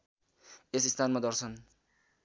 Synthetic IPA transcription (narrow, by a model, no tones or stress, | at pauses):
esist̪ʰanmad̪ʌrsʰʌn